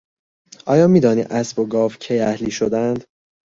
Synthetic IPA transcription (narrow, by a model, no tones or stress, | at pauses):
ʔɒːjɒːmiːd̪ɒːnḭːʔæsboɡɒːvcʰejæhliːʃod̪ænd̪